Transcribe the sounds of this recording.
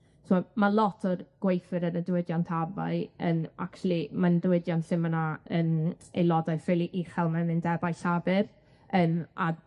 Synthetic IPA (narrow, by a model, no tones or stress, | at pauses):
sɔmalˠɔtʰɔrɡ̥wejfɨɾənədwɪdjɔntʰava̰ɨəna̰ktulˠimandwɪdjɔnɬɪmənaəːnejlˠɔdaɨfɪlˠiʔiχɛlˠmɛmɨndɛbajɬabɨr | əːma